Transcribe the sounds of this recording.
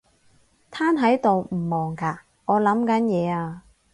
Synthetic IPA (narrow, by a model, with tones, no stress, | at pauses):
t̪ʰaː˥nɦɐ˨˥jt̪o˨wm̩˨˩mɔː˨˩ŋkaː˧ | ŋɔː˨˧lɐ˨˥mkɐ˨˥njɛː˨˧aː˧